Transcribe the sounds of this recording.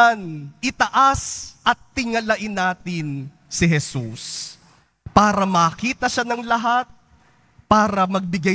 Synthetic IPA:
nʔɪt̪ɐʔasʔɐt̪̚ːɪŋɐlɐʔɪnːaːt̪ɪn | sɪɦɛsus | paːɾɐmɐːkiːt̪ɐʃanɐŋlɐɦat̪̚ | paːɾɐmɐɡ̚bɪɡa

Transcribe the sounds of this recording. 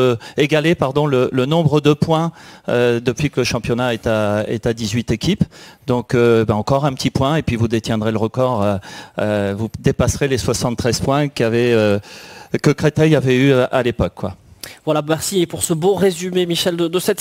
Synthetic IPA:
eɡalepaʁd̪ɔ̃lələnɔ̃bʁəd̪əpwɛ̃ød̪əpɥikləʃɑ̃pjɔnaɛt̪aɛ̰t̪ad̪izɥit̪ekʲipd̪ɔ̃købɛɑ̃kɔʁɛ̃pət̪ipwɛ̃epɥivud̪et̪jɛ̃d̪ʁeləʁəkɔʁøøvud̪epasχeleswasɑ̃t̪t̪ːχɛz̥pwɛ̃kʲavɛø | kəkχet̪ɛjavɛyʔalepɔkːwa̰vwalamɛʁsiepuʁsəbõʁezymemiʃɛld̪əd̪əsɛt̪

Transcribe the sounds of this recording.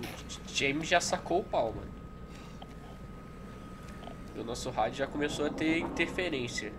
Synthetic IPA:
d͡ʒẽmʒasakowʊpawmɐ̰ | ʊnɔsʊɦad͡ʒʊʒakõmesowɐt̪eĩt̪eɾfeɾẽsiɐ

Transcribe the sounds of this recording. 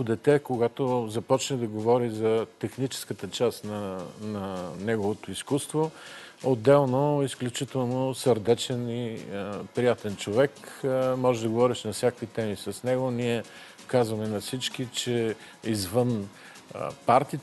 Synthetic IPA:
od̪ɛt̪ɛkoɡat̪ozɐpɔt͡ʃnɛd̪ɐɡovɔɾizɐt̪ɛxnit͡ʃɛ̥skət̪ət͡ʃast̪nɐnɐnɛɡovot̪oiskust̪vood̪ːɛlˠnoisklʲut͡ʃit̪ɛlˠnosəɾd̪ɛt͡ʃɛnipɾijat̪ɛnt͡ʃovɛkmɔʒɛd̪ɐɡovɔɾiʃnɐfsʲjakvit̪ɛmisɐsnɛɡoniɛ | kazvɐmɛnɐfsit͡ʃkit͡ʃɛ | izvən̰ | paɾt̪it̪

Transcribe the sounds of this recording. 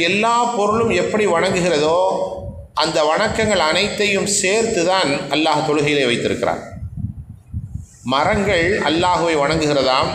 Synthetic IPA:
ɛlːaːpɔɾɯɭɯmɛpːɐɽiʋɐɳɐŋɡɯɣɪrɐðoː | ʔɐnd̪ɐʋɐɳɐkːɐŋɡɐɭɐnɐɪt̪ːɐjɯmseːɾt̪ɯðaːnʔɐlːaːht̪ɔɻɯɣɐjɪleːʋɐɪt̪ːɪɾɯkːɪɾa̰ːn | mɐɾɐŋɡɐɭɐ̰lːaːɣɯʋɐɪʋɐɳɐŋɡɯɣɪrɐðaːm

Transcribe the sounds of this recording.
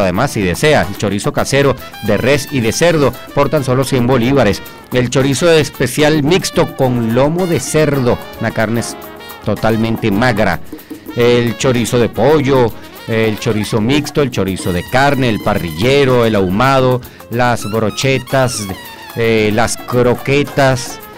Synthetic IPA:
aðemasːiðe̞se̞aelt͡ʃo̞ɾiso̞kase̞ɾo̞ | d̪e̞resiðe̞se̞ɾðo | poɾt̪anso̞lo̞sjembo̞liβaɾes | e̞lt͡ʃo̞ɾisoespe̞sjalmikst̪o̞ko̞ŋlo̞mo̞ðe̞se̞ɾðo̞nakaɾnes | t̪o̞t̪almẽnt̪e̞maɣɾa̰elt͡ʃo̞ɾiso̞ðe̞poʝo | elt͡ʃo̞ɾiso̞mikst̪oelt͡ʃo̞ɾiso̞ðe̞kaɾne̞ːlpariʝeɾoelawmað̞o̞ | lazβɾot͡ʃe̞t̪as | laskɾo̞ke̞t̪as

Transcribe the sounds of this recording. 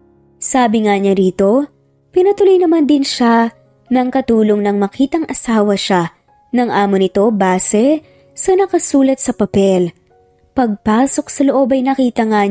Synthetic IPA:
saːbɪŋaɲaɾiːt̪o̞ | pɪnɐt̪ʊlojnɐmand̪ɪnʃa | nɐŋkɐt̪uːlo̞ŋnɐŋmɐkiːt̪ɐŋʔɐsaːwɐʃa | nɐŋʔaːmonɪt̪o̞baːsɛ | sɐnɐkɐsuːlɐt̪̚sɐpɐpɛl | pɐɡ̚paːso̞ksɐloʔo̞bɐjnɐkiːt̪ɐŋa

